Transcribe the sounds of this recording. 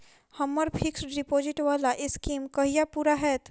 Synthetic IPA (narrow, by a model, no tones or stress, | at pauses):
hɐmːəɾpʰɪksɾɪpoːzɪʈʋaːlaʔɪskiːmkəɦijapuːɾaɦɛːt̪